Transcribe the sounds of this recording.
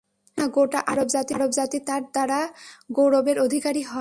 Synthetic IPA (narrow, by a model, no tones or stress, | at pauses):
naɡoʈaʔaɾobzat̪iaɾobd͡ʑat̪it̪aɾd̪aɽaɡowɾobeɾod̪ʱikaɾiɦɔe